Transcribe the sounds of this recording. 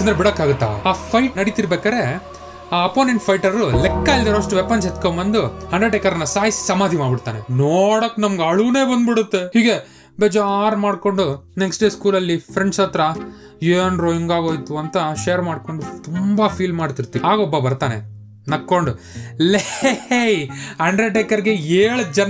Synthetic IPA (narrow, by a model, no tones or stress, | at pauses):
ɐnd̪ɾebiɽɐkːaːɡut̪ːa̰ːaːpʰɐjʈnɐɽit̪iɾbeːkaːɾe̞ | aːɐpoːneɳʈpʰɐjʈɐɾɾulɛkːɐild̪ɐɾoɐʂʈuʋepɐnset̪kombɐnd̪uhɐɳɖɾeɖɛkːɐɾɐnːɐsaːjisi̥sɐmaːd̪ʱimaːɖbiɽt̪aːne̞̰noːɽɐkːnɐmɡɐɭune̞ːbɐnd̪biɽut̪ːe̞hiːɡe̞ | beːd͡ʒaːɾmaːɽko̞ɳɖuneksʈɖe̞ːskuːlɐlːipʰɾeɳʈsɐt̪ɾɐ | juenɾoːjiŋɡaːɡo̞ːjt̪uɐnt̪ɐʃejɐɾmaːɖko̞ɳɖut̪umbɐpʰiːlmaːɽt̪iɾt̪iaːɡobːɐbɐɾt̪aːnḛ | nɐkːoɳɖu | lejɐɳɖɾeʈekːɐɾɡeeːɭd͡ʒɐn